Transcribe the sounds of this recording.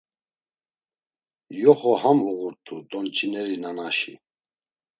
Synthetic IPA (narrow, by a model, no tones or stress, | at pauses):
jɔχɔhamuɣuɾt̪ʰud̪ʼɔnt͡ʃʰinɛɾinanaʃḭ